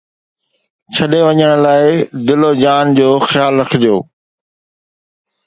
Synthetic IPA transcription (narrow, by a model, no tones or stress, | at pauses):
t͡ɕʰɐɗeʋɐɲəɽ̃̆laːɪd̪ɪlod͡ʑaːnd͡ʑoːxjaːlɾɐkʰɪd͡ʑjoː